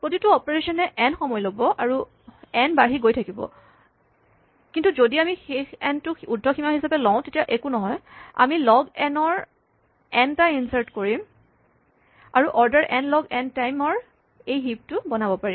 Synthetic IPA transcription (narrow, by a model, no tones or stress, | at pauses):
pɹotituɔpɔɹesɔnɛʔɛnxɔmɔjlobɔʔaɹu | ɛnbaɦiɡojtʰakibɔ̰ | kintuzodiamixexɛntʊudʱːɔximaxisapɛlɔʊ̃tetijaʔekunɔɦɔja̰milɔɡɛnɔɹ | ɛntainsaɹtkoɹim | aɹuʔɔɹdaɹʔɛnlɔɡɛntajmɔɹ | ejɦip̚tʊbɔnabɔpaɹi